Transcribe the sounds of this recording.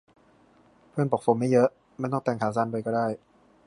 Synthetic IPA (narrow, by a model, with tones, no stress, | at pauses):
pʰɯ˥˩ənpo˨˩k̚fo˧mːa˥˩jɤ˦˥ʔ | ma˥˨nt̪ɔ˥˩t̪ɛː˨˩ŋkʰaː˨˩˦saː˧˥˨npa˧jkɔː˥˩daː˥˩j